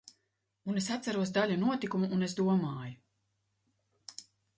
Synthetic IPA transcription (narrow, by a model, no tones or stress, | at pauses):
unesat̪saɾuɔsd̪aʎʲunuɔt̪ikumuːnesd̪uɔmaːju